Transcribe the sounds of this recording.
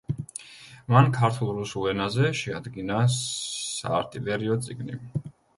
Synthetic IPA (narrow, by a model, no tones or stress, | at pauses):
mankʰaɾt̪ʰulˠɾusulˠɛnazɛʃɛad̪ɡina | sa̰ːɾt̪ʼivɛɾiɔt̪sʼiɡnḭ